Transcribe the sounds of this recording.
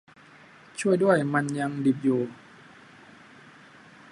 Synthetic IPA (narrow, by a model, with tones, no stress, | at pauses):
t͡ɕʰu˥˩əjdu˥˩əjma˧nja˧ŋdi˨˩p̚juː˨˧˩